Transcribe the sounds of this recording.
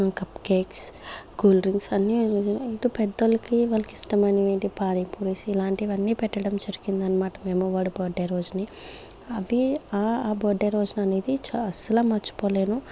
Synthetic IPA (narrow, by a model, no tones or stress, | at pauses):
kɐpkeːksɡuːlɾiŋɡsɐnːiiʈupɛd̪ːɐlɐkiʋɐlɐkisʈɐmɐniʋeːɳʈipaːnipuɾisilaːɳʈiʋɐnːipɛʈːɐɽɐmd͡ʒɐɾukind̪ɐnːɐmaːʈɐmeːmuʋaːɽuboːɖːeɾoːd͡ʒuni | ɐʋiaaːboːɖeːɾoːd͡ʒunɐne̞ːd̪it͡ʃɐsɐlaːmɐt͡ʃːu̥poːle̞ːnu